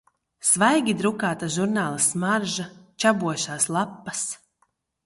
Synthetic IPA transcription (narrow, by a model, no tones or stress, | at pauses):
svajɡʲid̪ɾukaːt̪aʒuɾnaːlˠasmaɾʒat͡ʃabuɔʃaːslˠapːas